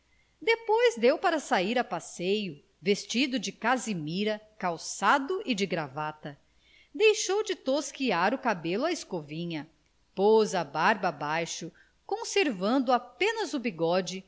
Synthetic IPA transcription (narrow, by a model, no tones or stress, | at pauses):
d̪epojzd̪ewpaɾɐsaiɾɐpasejʊ | vest͡ʃid̪ʊd͡ʒɪkazimiɾɐkawsad̪ʊʔɪd͡ʒɪɡɾavat̪ɐ | d̪ejʃowd͡ʒɪt̪oskiaɾʊkabelʊaɪskovĩɲɐ | pozɐbaɾbɐbajʃʊ | kõseɾvɐ̃nd̪ʊapẽnɐzubiɡɔd͡ʒɪ